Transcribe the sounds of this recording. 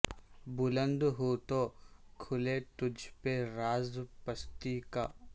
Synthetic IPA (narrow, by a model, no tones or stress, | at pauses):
bʊlə̃nd̪ɦot̪okʰʊleʈʊd͡ʒʱpeɾaːzpəst̪ika̰ː